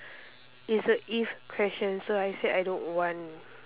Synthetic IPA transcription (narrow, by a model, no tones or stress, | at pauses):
isəʔifkʰɹɛʃə̃nsoajseʔajdõnwɔ̃n